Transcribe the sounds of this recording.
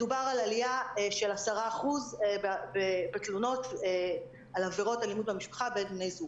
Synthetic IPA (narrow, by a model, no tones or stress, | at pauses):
dubaʁalalijaʃe̞lasaʁaːχuzbbebetluno̞t | alaveʁo̞talimudbamiʃpḁχabendmnejzuɡ